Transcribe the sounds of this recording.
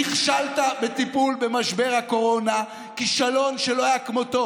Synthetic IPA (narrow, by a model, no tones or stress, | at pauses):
iχʃalt̪abet̪ipulbe̞maʃbe̞ʁhako̞ʁo̞na | kiʃalo̞nʃelohajakmo̞t̪o̞